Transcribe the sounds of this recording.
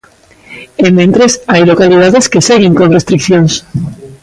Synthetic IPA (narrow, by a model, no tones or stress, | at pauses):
emːẽnt̪ɾesajlokalið̞aðeske̞seɣeŋkonrest̪ɾikθjons